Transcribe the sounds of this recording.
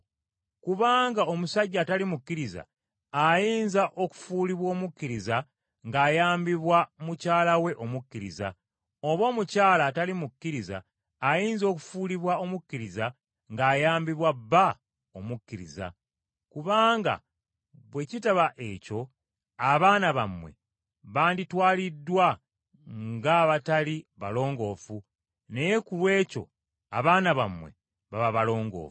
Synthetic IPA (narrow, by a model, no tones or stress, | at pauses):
kuβaːŋɡao̞musaɟːaːtalimukːiɾiza̰ː | jiːnzaʔo̞ku̥fuːliβwo̞ːmukːiɾiza | ŋɡaːjaːmbiβwamucaːlawe̞ʔo̞mukːiɾḭza̰ | o̞βo̞ːmucaːlaːtalimukːiɾiza̰ː | jiːnzo̞ːku̥fuːliβwao̞mukːiɾiza | ŋɡaːjaːmbiβwabːa | omukːiɾiza̰ | kuβaːŋɡa̰ | βwe̞citaβaʔe̞co̞ | aβaːnaβamwe̞̰ | βaːnditwaːlidːwa | ŋɡaβataliβalo̞ːŋɡo̞ːfu | nejekulwe̞ːco̞̰ | a̰βaːnaβamwe̞̰ | βaβaβalo̞ːŋɡo̰ːfu̥